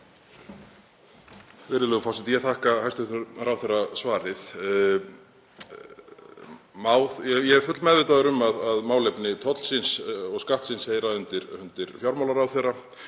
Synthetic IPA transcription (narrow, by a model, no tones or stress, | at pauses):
vɪɾɪlʏɣfɔwsɛmt̪ijɛt̪ʰaːhkahajst̪ʏht̪nʏɾɾawθɛrːasvaːɾɪð | maːwðjɛjɛɛɾ̥fʏt̪lmɛðvɪt̪aðʏɾʏmaðaðmaːwlejpnɪt̪ʰɔt̪l̥sɪnsɔɣskaht̪sɪnsheːjɾaʏnt̪ɪɾʏnt̪ɪɾfjawɾmawlaɾawθera